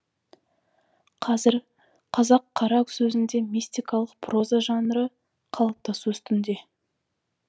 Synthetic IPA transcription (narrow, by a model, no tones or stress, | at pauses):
qʰɑzɪɾ | qʰɑzɑqʰːɑɾɑksɵzɪnd̪e̞mʲist̪ijkɑlˠəq̚pʰro̞zaʒɑnəɾə | qʰɑlˠəp̚t̪ɑsuʏst̪ɪnd̪e̞